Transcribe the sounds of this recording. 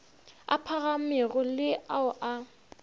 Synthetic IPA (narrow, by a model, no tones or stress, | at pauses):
a̰pʰaɣamɪɣɔlɪaʊʔa